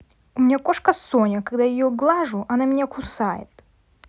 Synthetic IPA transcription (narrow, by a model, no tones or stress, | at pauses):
ʊmʲɪnʲakoʂkəsonʲəkaɡd̪ajɪjoɡlˠaʐʊʔɐnamʲnʲakʊsajɪ̰t̪